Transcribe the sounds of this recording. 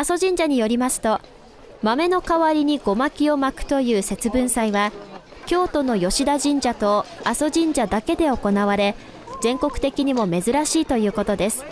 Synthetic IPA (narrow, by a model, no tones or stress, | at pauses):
aso̞ʑĩɲ̟d͡ʑaɲ̟ijo̞ɾʲimasɨ̥t̪o̞ | mame̞no̞kaβaɾʲiɲ̟iɡo̞makʲio̞makɯ̟̥t̪o̞jɯ̟ːse̞t͡sɨbɯ̟̃ɰ̃saiβa | kʲo̞ːt̪o̞no̞jo̞ɕid̪aʑĩɲ̟d͡ʑat̪o̞aso̞ʑĩɲ̟d͡ʑad̪ake̞d̪e̞o̞ko̞naβ̞aɾe̞ | zẽ̞ŋko̞kɯ̥t̪e̞kʲiɲ̟imo̞me̞zɨɾaɕiːt̪o̞jɯ̟ːko̞t̪o̞d̪e̞sɨ̥